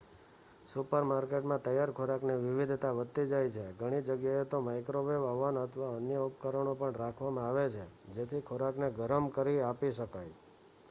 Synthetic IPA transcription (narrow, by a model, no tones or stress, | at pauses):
supəɾmaɾkeʈmãt̪əjaɾkʰoɾakneʋɪʋid̪ʱt̪aʋət̪ːid͡ʒajt͡ʃʰeɡʱəɽ̃id͡ʒəɡjaet̪omajkɾoʋeʋaʋanət̪ʰəʋaənjəupkəɾəɳ̃õpəɳɾakʰʋamãaʋet͡ʃʰed͡ʒet̪ʰikʰoɾakneɡəɾəmkəɾiapiʃəkaj